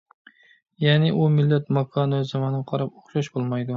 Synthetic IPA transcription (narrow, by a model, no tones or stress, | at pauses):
janɪʔʊmɪlːat̪makʰɒnøzɪmanɪqʰɑɾapoχʃaʃbolˠmajd̪ʊ